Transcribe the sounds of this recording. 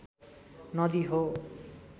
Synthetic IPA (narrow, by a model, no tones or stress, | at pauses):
nʌd̪iɦo